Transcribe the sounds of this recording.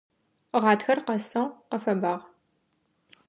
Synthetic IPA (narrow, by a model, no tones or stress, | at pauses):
ʁɑːtxɐrqɐsɐwqɐfɐbaːʁ